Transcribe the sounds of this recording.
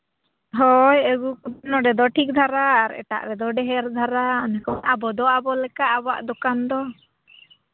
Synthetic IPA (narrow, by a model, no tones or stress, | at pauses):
ɦɔjəɡuknɔɖɛd̪ɔʈʰik̚d̪ʱaɾaːɾɛ̰ʈa̰ʔɾɛd̪ɔɖɛɦɛɾd̪ʱaɾaɔnɛkɔnabɔd̪ɔabɔlɛkaʔabɔa̰ʔd̪ɔkand̪ɔ